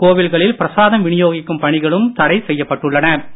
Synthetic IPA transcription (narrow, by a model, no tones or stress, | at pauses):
koːʋɪlɣɐɭɪlpɪɾɐsaːðɐmʋɪɳɪjoːɣɪkːɯmpɐɳɪɣɐɭɯmt̪ɐɽɐɪsɛjːɐpːɐʈːɯɭːɐnɐ